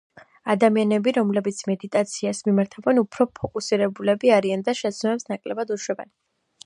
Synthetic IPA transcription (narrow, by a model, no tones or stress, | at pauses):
ad̪amianɛbiɾɔmlɛbit̪sʰmɛd̪it̪ʼat̪sʰiasmimaɾt̪ʰavɛnupʰɾɔpʰɔkʼusiɾɛbulɛbiaɾiand̪aʃɛt̪sʰnmɛpsnakʼlɛbad̪uʃwɛbɛ̰n